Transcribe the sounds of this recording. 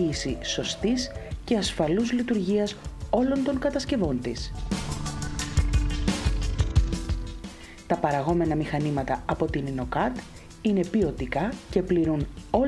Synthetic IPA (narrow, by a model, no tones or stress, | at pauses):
iːsiso̞st̪isce̞ɐsfɐluzlit̪uɾʝiɐso̞lo̞nt̪o̞ŋkɐt̪ɐsce̞vo̞nt̪is | t̪ɐpɐɾɐɣo̞me̞nɐmixɐnimɐt̪ɐɐpo̞t̪inino̞kɐt̪ | ine̞pio̞t̪ikɐce̞pliɾuno̞